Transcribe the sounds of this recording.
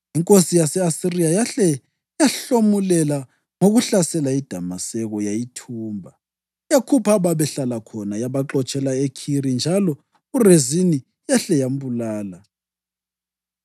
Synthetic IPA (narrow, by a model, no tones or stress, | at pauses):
iŋkʼosijasɛasirijajaɬɛ | jaɬomulɛla | ŋoɣuɬasɛlaid̥ʱamasɛɣɔjajitʰuːmbʱa | jakʰupʰaβaβɛɬalakʰɔnajaβaǁɔt͡ʃʼɛlaekʰiɾind͡ʒʱalɔ | urezini | jaɬɛjambulaːla